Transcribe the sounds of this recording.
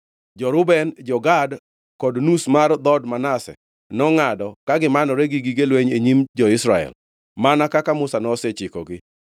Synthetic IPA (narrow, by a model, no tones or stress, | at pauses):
d͡ʒɔɾʊbɛnd͡ʒɔɡad | kɔdnusmard̪ɔdmanasɛ̰ | nɔŋadɔkaɡɪmanɔɾeɡiɡiɡelweɲeɲimd͡ʒɔɪsɾaɛ̰l | manakakamʊsanɔsɛt͡ʃɪkɔ̰ɡɪ